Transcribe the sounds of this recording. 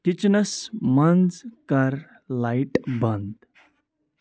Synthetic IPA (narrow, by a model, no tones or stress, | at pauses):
kit͡ʃnɐsmɐnd͡zkaɾ | lajʈbə̃nd̪